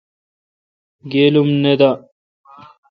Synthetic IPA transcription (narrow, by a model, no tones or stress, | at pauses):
ɡeːlumned̪a